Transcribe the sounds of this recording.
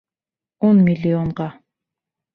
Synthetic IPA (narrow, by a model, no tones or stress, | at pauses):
onmʲɪlʲioɴʁɑ